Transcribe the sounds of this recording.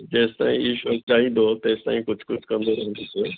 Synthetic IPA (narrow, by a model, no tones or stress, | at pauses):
d͡ʑɛːst̪a̰ːḭ̃iːʃoːk̚ɗaːĩːnd̪ot̪ɛːst̪a̰ːĩkʊd͡ʑʱkʊd͡ʑʱkɐ̃nd̪oɾɐɦə̃nd̪isʰe